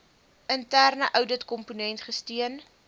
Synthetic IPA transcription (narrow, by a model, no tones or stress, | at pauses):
ʔəntærnəʔœwdətkɔmpunɛntχəstiən